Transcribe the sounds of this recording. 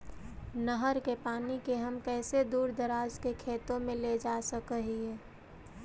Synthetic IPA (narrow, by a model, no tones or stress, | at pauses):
nəɦəɾkepaːnikeɦəmkɛːsed̪uːɾd̪əɾaːd͡ʒkekʰeːt̪õmẽled͡ʒaːsəkəɦiɦɛː